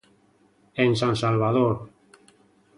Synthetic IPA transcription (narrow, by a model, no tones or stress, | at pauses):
ensansalβaðoɾ